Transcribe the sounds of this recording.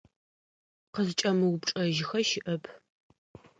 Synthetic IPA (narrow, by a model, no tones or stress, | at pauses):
qəzɨt͡ʃʼɐmɨwʊpʈ͡ʂʼɐʒɪxɐʃɪʔɐpʰ